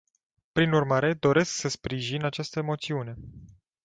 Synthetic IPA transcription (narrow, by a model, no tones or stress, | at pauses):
pɾinurmaɾe̞d̪o̞ɾe̞sksəspɾiʒinat͡ʃast̪əemo̞t̪siune̞